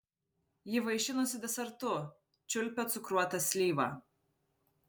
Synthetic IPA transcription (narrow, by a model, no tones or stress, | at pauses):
jɪʋɐɪʃʲɪnosʲɪd̪ʲɛsʲɛɾt̪ʊ | t͡ʃʲʊlʲpʲɛt̪sʊkɾuɔt̪ɐsʲlʲiːʋɐ̰